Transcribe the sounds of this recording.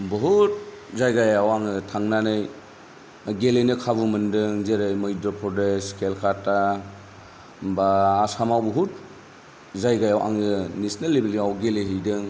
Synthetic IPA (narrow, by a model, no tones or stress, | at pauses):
bɔɦut̚ | zajɡajawaŋɯtʰaŋnanɯj | ɡelenɯkʰaβumɯndɯŋzeɾɯjmɯjdɾɔpʰɾɔdeskelkʰata | baːsamawbɔɦut̚ | zajɡajawʔa̰ŋɯnisnalːibiliawɡeleɦɯjdɯŋ